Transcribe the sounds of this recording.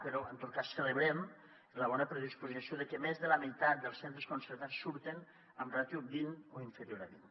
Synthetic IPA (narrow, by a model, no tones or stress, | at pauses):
pəɾɔənt̪ot̪̚kasːələβɾɛm | ləβɔnəpɾəðispuzisjoðəkemezðələmit̪at̪̚d̪əlˠsent̪ɾəskunsəɾt̪at͡sːuɾt̪en | əmrat̪jubinoiɱfəɾjoɾaβin